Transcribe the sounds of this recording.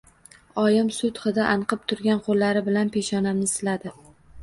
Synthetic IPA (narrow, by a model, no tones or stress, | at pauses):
ɒjɪmsʊt̪χɨd̪aʔanqʰɨp̚t̪ʰʊɾɡʲanqʰolːaɾɪbɪlanpʰe̞ʃɒnamnɪsɪlad̪ɪ